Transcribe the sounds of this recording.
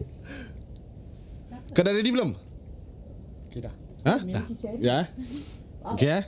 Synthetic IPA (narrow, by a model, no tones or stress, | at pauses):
kədaɾedibləm | hãja | oke